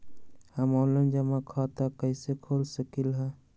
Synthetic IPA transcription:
həmɔːlənd͡ʒəmakʰat̪akəɪsekʰoːlsəkilɦɛ̃

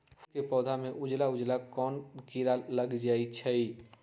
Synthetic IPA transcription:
kepɔːd̪ʱameʔud͡ʒlaud͡ʒlakɔnkiɾaləɡd͡ʒait͡ʃʰəj

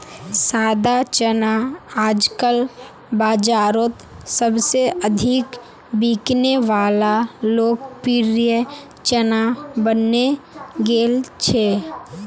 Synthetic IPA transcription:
saːd̪at͡ʃənaaːd͡ʒkəl | baːd͡ʒaːɾoːt̪səbseʔəd̪ʱɪk | biːkneʋaːlaloːk̚piɾjə | t͡ʃənabənːeɡeːlt͡ʃʰeː

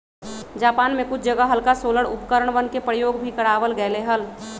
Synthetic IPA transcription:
d͡ʒaːpaːnmẽkʊt͡ʃʰd͡ʒəɡəɦəlkasoːləɽʊpkəɾəɽ̃bənkepɾəjoːɡbʱikəɽaːʋəlɡəleɦəl

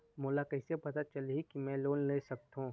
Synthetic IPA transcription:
moːlakɐɪsepɐt̪at͡ʃɐlɦikimɛ̃loːnleːsɐk̚t̪ɦũː

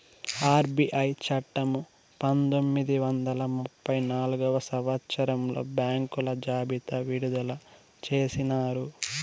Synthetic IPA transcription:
aːɾbiʔɐjt͡ʃɐʈːɐmu | pɐnt̪o̞mːid̪iʋɐnd̪ɐlɐmupːɐjnaːluɡɐʋɐsɐʋɐt̪ːsɐɾɐmlo̞̰ːbjaːŋkulɐd͡ʒaːbit̪ɐʋiɽud̪ɐlɐ | t͡ʃe̞ːsinaːɾu

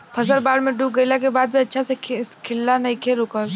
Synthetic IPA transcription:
pʰɐs̬əlbaːɽmẽɖuːk̚ɡəilak̬ebaːd̪̚bʱiɐtːʃʰasekʰɪlːanɐikʰeɾʊkəl

